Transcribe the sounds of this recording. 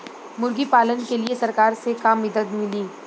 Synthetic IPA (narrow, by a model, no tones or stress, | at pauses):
mʊɾɡipaːlənkeliesɐɾkaːɾsekaːmːɪd̪ət̪mɪliː